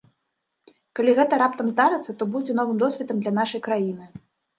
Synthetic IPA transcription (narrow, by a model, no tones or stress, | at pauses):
kalʲiɣɛt̪ɐɾapt̪ɐmzd̪aɾɨt̪sːɐt̪ɔbud͡zʲɛnɔvɨmd̪ɔsʲvʲɛt̪ɐmd̪lʲɐnaʂɐjkɾajinɨ